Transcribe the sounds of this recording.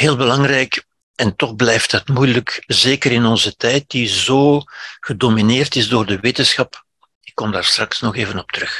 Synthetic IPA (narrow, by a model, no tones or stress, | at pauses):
ɦeːlˠbəlɑŋrɛjk | ɛntɔxblɛjftdɑtmujələkzeːkəɾɪnɔnzətɛjt̚dizoːɣədomineːrtɪzdoːrdəʋeːtənsxɑp | ɪkːɔmdaːrstrɑksnɔxeːvənɔp̚tərɵx